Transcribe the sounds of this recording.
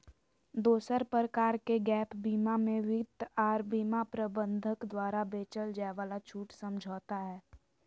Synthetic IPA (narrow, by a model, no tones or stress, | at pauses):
d̪oːsəɾpɾəkaːɾkeɡɛːpbiːmamẽʋɪd̪aːɾbiːmapɾəbə̃nd̪ʱəkd̪waːɾabeːt͡ʃəld͡ʒaːʋaːlat͡ʃʰuːʈsə̃md͡ʒʱɔːt̪aɦɛː